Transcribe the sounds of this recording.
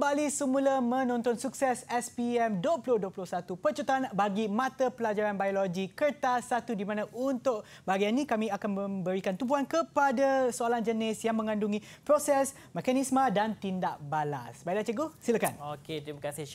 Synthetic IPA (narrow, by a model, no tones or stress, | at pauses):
kəmbalisəmũləmə̃nɔ̃nt̪ɔnsuksɛsɛspiɛmdoplʊhduoplʊhsat̪upərt͡ʃut̪aanbaɡimãt̪əpəlad͡ʒaɾanbajoloɡikərt̪asːat̪udimãnãʔunt̪ʊʔ | baɡianːĩkamĩakanmə̃mbəɾikant̪ubuɦankəpadasoaland͡ʒənɪsjaŋmə̃ŋãnduŋĩpɾosɛs | mɛkanismə̃dant̪indaʔbala̰sbajlat͡ʃəɡosilakanoket̪ɾimakasɪ